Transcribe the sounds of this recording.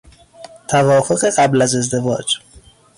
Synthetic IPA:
t̪ʰævɒːfo̞ɣeɢæblæze̞zd̪e̞vɒ̰ːd͡ʒ

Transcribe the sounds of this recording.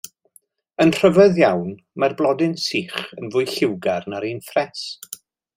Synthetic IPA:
ənr̥əvɛðjawn | marblˠɔdɪnsiːχənvʊːjɬɪwɡarnaɾiːnfrɛs

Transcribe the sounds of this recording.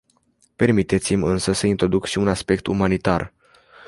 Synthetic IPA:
pe̞rmit̪e̞t̪simʲɨnsəsəint̪ɾo̞d̪ukʃiunaspe̞k̚t̪umanit̪ar

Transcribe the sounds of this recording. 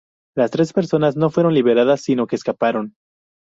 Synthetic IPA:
last̪ɾe̞spe̞ɾso̞nazno̞fwe̞ɾo̞nliβ̞e̞ɾaðasːino̞keːskapaɾo̞n

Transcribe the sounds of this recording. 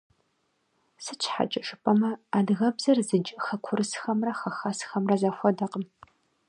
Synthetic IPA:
sɨt͡ʃʰħa̰t͡ʃʼɪʂʼɨpʼɐmɐaːdɣɐbzɐrzɨd͡ʒʼxɐkʷʰʊrɨsxɐmrɐxɐxasxɐmrɐzɐfʷɔdɐqəm

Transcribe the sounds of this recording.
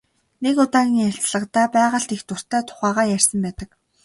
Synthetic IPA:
nekʊt̪aːɣʲiŋjḁt͡sɮə̆qt̪æːpæːʁə̆ɬt̪ext̪ʊr̥t̪æːt̪ʰʊ̥χæːʁaːjær̥ʲsə̆mpæːt̪ə̆k

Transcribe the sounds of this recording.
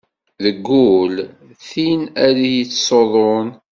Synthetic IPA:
ðəɡːul | θinæɾijit͡sːsoðˤon

